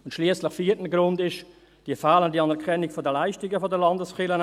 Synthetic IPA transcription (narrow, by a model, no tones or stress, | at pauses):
ʊntʃliːəslɪχfiːətn̩ɡɾʊndɪʃ | d̥iəfaːləndiɑnɛʁkʰɛnɪɡfodəlaɪʃtɪɡəfɔdəlɑndəsχɪlən